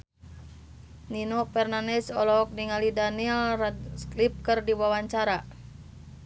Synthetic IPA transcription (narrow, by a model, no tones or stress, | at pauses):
ninofɛrnanɛsɔlɔk̚niŋalidanilsklip̚kɨrdiwawaɲt͡ʃaɾa